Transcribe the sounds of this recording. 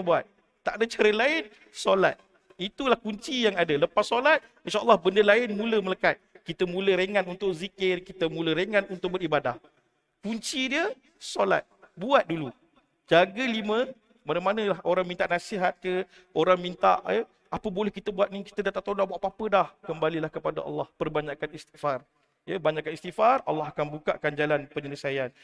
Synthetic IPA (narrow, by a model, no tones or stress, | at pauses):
buat̪̚ | t̪ːaʔdət͡ʃəɾəlaɪn | sola̰t̪̚ | it̪ulahkuɲt͡ʃijaŋadələpasːolat̪̚ | inʃaʔə̰lːɑhbəndəlaɪnmũləmələkat̪̚kit̪əmũləɾeŋãnunt̪ʊʔk̚zikɪrkit̪əmũləɾeŋãnunt̪ʊk̚bəɾibada̰h | kuɲt͡ʃidiə | sola̰t̪̚buat̪̚dulu | d͡ʒaɡəlimə̃ | manəmanə̃lahoɾaŋmint̪aʔnasiɦat̪̚kə | oɾaŋmint̪a̰ʔjə | ʔapəbolɛhkit̪əbuat̪̚niki̥t̪ədat̪aʔt̪onaʔbuaʔpapədahkəmbalilahkəpada̰ʔɑ̰lːɑhpərbaɲakanist̪iʔfar | jəbaɲãkanist̪iʔfara̰lːɑɦakanbukaʔkand͡ʒalanpəɲələsajan